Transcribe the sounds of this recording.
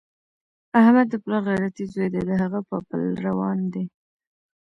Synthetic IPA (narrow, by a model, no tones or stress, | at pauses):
ahmad̪ːəplɑɣajɾat̪izojd̪ed̪əɦaɣapəpə̰lɾawɑnd̪e